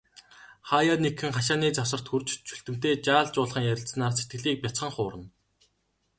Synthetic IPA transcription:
χaːjanekxɘ̆ŋχaʃ̬aːniːt͡sawsə̆r̥t̪xurt͡ɕt͡ɕʰu̥ɬt̪ɘ̆m̥t̪eːt͡ɕaːɮt͡ɕʊːɮχə̆ŋjæɾʲɪ̆ɬsnaːrset̪̚ɡɘ̆ɮiːk̚pʲat͡sχə̆ŋχʊːɾə̆n

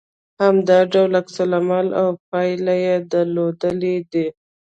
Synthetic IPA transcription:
hamd̪ɑɖawlaksalamalawp̚ɑjlajed̪alod̪əled̪i

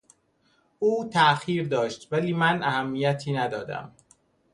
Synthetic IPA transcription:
ʔuːt̪ʰæxiːɾd̪ɒːʃt̪væliːmænʔæhæmːijæt̪ʰiːnæd̪ɒːd̪æ̰m

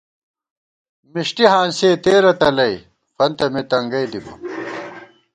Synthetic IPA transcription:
miʂʈiɦaːnseːt̪eːɾɐt̪ɐlɐj | fɐnt̪ɐmet̪ɐŋɡɐjd̪ibɐ̰

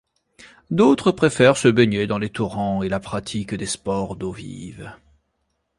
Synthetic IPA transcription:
d̪ot̪χəpχefɛʁsəbeɲed̪ɑ̃let̪uʁɑ̃elapχat̪ʰikd̪espɔʁd̪ovḭv

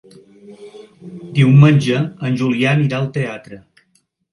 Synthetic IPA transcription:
d̪iwmənʲʒəənʲʒulianiɾaəlˠt̪eat̪ɾə

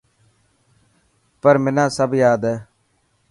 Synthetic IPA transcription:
pəɾmɪnãːsəbjaːd̪ɛː

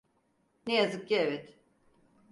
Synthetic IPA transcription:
nejazɯk̚ɟievɛt̪

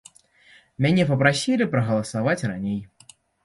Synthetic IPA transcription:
mʲanʲɛpɐpɾasʲilʲipɾɐɣɐlˠɐsavat͡sʲranʲej

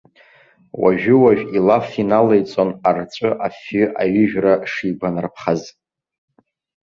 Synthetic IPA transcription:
wa̰ʒᶣʏwaʒᶣilafinalejt͡sʼonart͡sʷʼɨʔafʏʔaɥʏʒᶣraʂiːɡʷanrpʰχaz

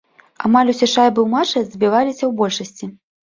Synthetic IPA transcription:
a̰malʲusʲɛʂajbɨwmat͡ʂɐzʲbʲivalʲisʲɐwbɔlʲʂɐsʲt͡sʲi

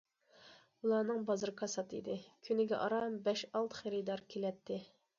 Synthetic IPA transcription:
ulˠɑːnɨŋbɑzɨɾkʰɑsɑt̪ʰɨḭd̪ɪkʲʰynɪɡʲɛ̰ʔɑ̰ɾɑmbɛʃɑlˠt̪χeɾɪd̪ɑɾkʲʰelɛt̪ʰːɪ

